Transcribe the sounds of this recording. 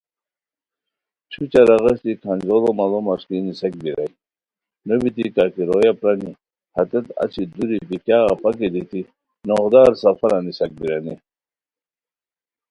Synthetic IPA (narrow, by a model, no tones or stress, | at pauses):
t͡ɕʰut͡ɕaɾɐɣɐɕt̪ikʰand͡ʑolɔmalɔmɐʂk̪inisɐk̚biɾaj | nobit̪ikakiɾojapɾani | hɐt̪et̪a̰t͡ɕʰid̪uɾibikjaːɣapɐk̬id̪it̪i | noɣd̪aːɾsɐfɐɾanisɐk̚biɾɐni